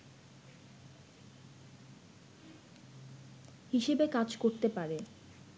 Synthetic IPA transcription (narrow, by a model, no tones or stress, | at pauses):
hiʃebekad͡ʑkoɾt̪epaɾe